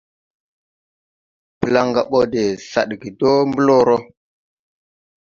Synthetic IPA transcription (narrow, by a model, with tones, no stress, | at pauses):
pə˨la˦ŋɡa˨ɓo˦de˨sa̰˨ɗɡi˨do˦mbə˦lo˦ɾo˦